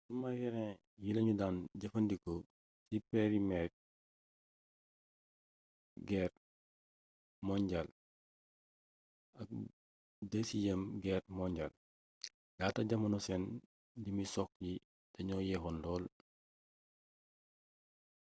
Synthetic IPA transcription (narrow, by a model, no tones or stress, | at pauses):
sumajɛɾɛ̃ | jilɐɲudaːnɟɐfɐndikɔ | sipeɾimɛɾ̚ | ɡɛːr | mɔɲɟɐl | ɐk̚ | dəsijəmɡɛrmɔɲɟɐl | ɡ̥aːtɐɟɐmɐnusɛn | dimisɔk̚ji | tɐɲɔːjɛɦɔndɔːl